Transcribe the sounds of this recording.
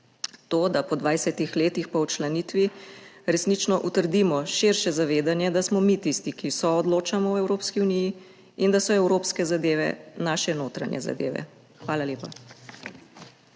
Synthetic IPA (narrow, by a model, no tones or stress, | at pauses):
t̪oːd̪apɔd̪ʋajsɛt̪ixleːt̪ixpawt͡ʃlanit̪ʋiɾɛsnit͡ʃnɔʔut̪əɾd̪imɔʃeɾʃɛzaʋeːd̪anjɛd̪asmɔmit̪ist̪ikisɔɔd̪loːt͡ʃamɔwɛwɾoːpskiuniji | ind̪asɔɛwɾoːpskɛzad̪eːʋɛ̰naːʃɛnoːt̪ɾa̰ɲjɛ̰za̰d̪ḛːʋɛ̰ | xʋaːlaljeːpa